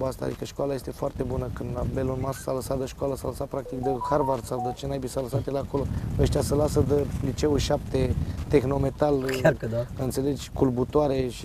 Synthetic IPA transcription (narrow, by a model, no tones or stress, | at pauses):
bast̪a̰d̪ikəʃkalaje̞st̪e̞foart̪e̞bunəkɨnd̪labe̞lonmassaləsat̪d̪əʃkoaləsaləsat̪̚pɾak̚t̪ik̚d̪əxarvarsawd̪ət͡ʃenajbisaləsat̪jelako̞loəʃ̬t̪ijasəlasəd̪əlit͡ʃe̞uʃap̚t̪e̞t̪e̞xno̞me̞t̪al | əɨnt̪sele̞d͡ʒʲkulbut̪oaɾe̞ʃi